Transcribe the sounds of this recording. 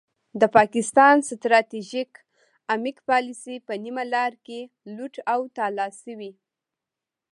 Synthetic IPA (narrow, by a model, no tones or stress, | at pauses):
d̪əpɑkɪst̪ɑnst̪ɾɑt̪iʒik | amikpɑlisipənimalɑɾke | luʈawt̪ɑlɑsəwi